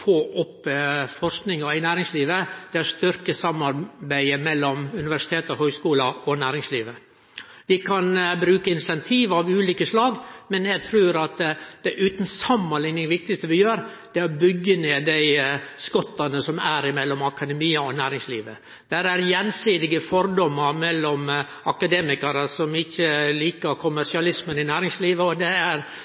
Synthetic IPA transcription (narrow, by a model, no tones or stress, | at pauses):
fʰɔʔɔpːfɔɾʂknɪŋɑɪnæːɾɪŋsliːʋəd̪̥ɛæɾʂt̪ʏɾkəsɑmːɑɾbæɪəmɛlːɔmʉnɪʋæʂɪt̪ʰeːt̪ɔhœːskuːlɑɔnæːɾɪŋsliːʋə | d̪ɪkʰɑnbɾʉːkəɪnsɛnt̪ʰiːʋɑʋʉːliːkəslɑːɡmɛnjæɡt̪ʰɾuːɾɑt̪d̪̥ɛʔʉːt̪nsɑmːɑnlɪŋnɪŋʋɪk̚t̪ɪst̪əʋɪjøːɾ | d̪̥ɛɔbʏɡːəneːd̪æɪskɔt̪ːɑnəsɔmæɾɪmɛlːɔmɑkɑd̪ɛmiːəɔnæːɾɪŋslḭːʋə | d̪̥æɾæɾjɛnsiːd̪ɪɡəfɔɾd̪ɔmːɑɾmɛlːɔm | ɑkɑd̪eːmɪkɑɾəsɔmɪçːəliːkəɾkʰʊmæʂɪɑlɪsmənɪnæːɾɪŋsliːʋəɔd̪ɛæɾ